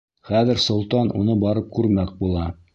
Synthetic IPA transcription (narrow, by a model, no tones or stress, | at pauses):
χæðɘ̆ɾsŏlˠt̪ɑnʔṵnɤbɑɾɤp̚kʉɾmæk̚bulˠɑ